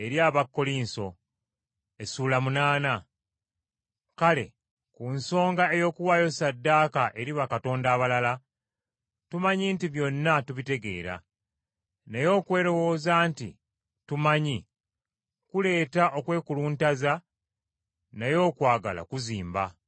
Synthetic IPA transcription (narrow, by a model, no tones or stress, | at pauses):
e̞ɾjaːβakːo̞linso̞ | e̞suːlamunaːna | kale̞̰ | kunso̞ːŋɡae̞jo̞ːkuwaːjo̞sadːaːkaʔe̞ɾiβakato̞ːndaːβalala | tumaɲintiβjo̞nːatuβite̞ɡe̞̰ːɾa̰ | nejo̞ːkwe̞ːɾo̞wo̞ːzaːntḭ | tumaɲi | kule̞ːtaʔo̞kwe̞ːkuluːntaza | nejo̞ːkwaːɡa̰la̰kuziːmba